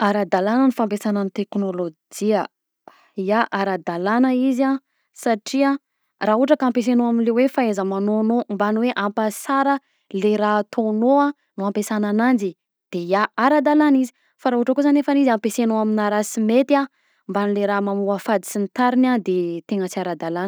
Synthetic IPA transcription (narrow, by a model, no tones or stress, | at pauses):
aɾad̪alanənifampesanənit̪eknolod͡ʒiə | jaʔaɾad̪alanəiza | saʈ͡ʂia | raɦuʈ͡ʂəkaampes̬enoaminlewefaezəmanonombanweʔampasaɾə | leɾat̪ʰonoa | nuampesananand͡ʒi | d̪̥ejaaɾad̪alanizi̥ | faɾaɦuʈ͡ʂəkuzanefanizampesenoaminaɾasimet̪ia | mbanileɾamamuafad̪i̥sint̪aɾinad̪et̪eŋət͡siaɾad̪alanə